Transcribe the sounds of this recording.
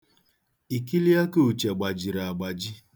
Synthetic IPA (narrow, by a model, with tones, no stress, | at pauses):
i˨ki˦li˦a˦ko˦˨u˨t͡ʃa˨ɡ͡ba˨d͡ʒi˨ɾa˨a˨ɡ͡ba˨d͡ʒi˦